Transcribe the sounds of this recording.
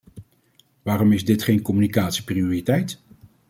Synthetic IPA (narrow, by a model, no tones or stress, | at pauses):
ʋaːrɔmɪzdɪtχejnkɔmynikaːtsi̥priʊːritɛjt